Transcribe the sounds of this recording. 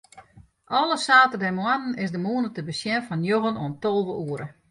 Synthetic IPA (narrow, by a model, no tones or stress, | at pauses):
ʔɔlˠəsaːtədɛmwanən̩ɪsdəmuənətəbəsjɛnfɔnjoɣənoəntolˠʋəʔuəɾə